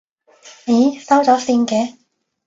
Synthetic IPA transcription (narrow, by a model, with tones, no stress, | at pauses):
ni˨˩sɐ˥wt͡sɔː˨˥siː˧nkɛː˨˧